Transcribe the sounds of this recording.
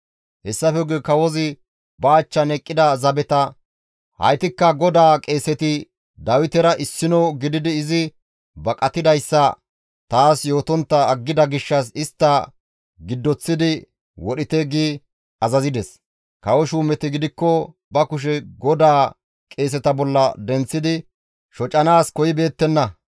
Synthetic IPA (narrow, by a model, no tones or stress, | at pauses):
hɛsːɐfɛɡekɐwɔzɪ | bɐːt͡ʃːɐnɛkʼːɪd̪ɐzɐbɛt̪ɐ | hɐ̰jt̪ɪkːɐɡɔd̪aːkʼe̞ːsɛt̪ɪ | d̪ɐwɪt̪ɛɾɐʔɪsːɪnɔwɡɪd̪ɪd̪ɪːzɪ | bɐkʼːɐt̪ɪd̪ɐjsːɐ | t̪aːsjo̞ːt̪ɔnt̪ːɐːɡːɪd̪ɐɡɪʃːɐs̬ɪst̪ːɐ | ɡɪd̪ːɔt͡sːɪd̪ɪ | wɔɗɪt̪eːɡiː | ɐzɐzɪd̪ɛs | kɐwɔʃuːmɛt̪ɪɡɪd̪ɪkːɔ | bɐkʊʃ̬ɛɡɔd̪aː | kʼe̞ːs̬ɛt̪ɐbɔlːɐd̪ɛnt͡sːɪd̪ɪ | ʃɔt͡ʃʼːɐnaːskɔjɪbe̞ːt̪ːɛnːɐ